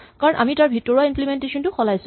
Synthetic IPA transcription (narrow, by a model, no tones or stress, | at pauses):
kaɹɔnʔa̰mitaɹbʱitːɔɹaimplimɛntesɔntʊxɔlajsʊ